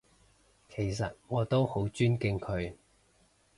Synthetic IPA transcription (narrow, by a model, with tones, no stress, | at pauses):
kʰe˨˩jsɐ˨t̚ŋɔː˨˧t̪o˥who˨˥wt͡ʃyː˥nkɪ˧ŋkʰɵ˨˧˥ɥ